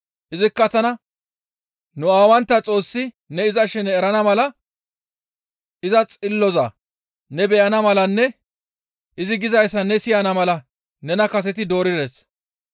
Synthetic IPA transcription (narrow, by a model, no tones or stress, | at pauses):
ʔɪzɪkːɐt̪ɐnɐ | nʊaːwɐnt̪ːɐt͡sʼo̞ːsːɪ | nɛɪzɐʃɛnɛɛɾɐnɐmɐlɐ | ʔɪzɐt͡sʼɪlːɔza̰ | nɛbɛjɐnɐmɐlɐnːɛ | ʔɪzɪɡɪzɐjsːɐnɛsɪjɐnɐmɐlɐ | nɛnɐkɐs̬ɛt̪̬ɪd̪o̞ːɾɪd̪es